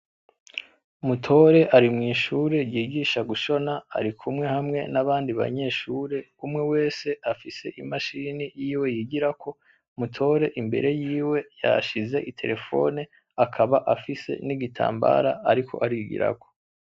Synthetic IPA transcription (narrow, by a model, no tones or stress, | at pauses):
mutʰo̞ɾe̞ʔaɾimŋiːʃuːɾe̞jiːɡiːʃaɡuʃo̞naːɾikʰumŋe̞hamŋe̞naβaːndiβa̰ɲe̞ʃuːɾe̞ | umŋe̞we̞ːse̞afise̞ʔimaʃiːnijiːwe̞jiːɡiɾako̞ | mutʰo̞ɾe̞ʔimbe̞̰ɾe̞jiːwe̞ja̰ʃize̞ʔitʰe̞̰ɾe̞fo̞̰ne | akʰaβaʔafise̞̰niɡitʰa̰ːmba̰ɾaaɾikʰo̞ʔaɾiɡḭɾa̰ɡo̞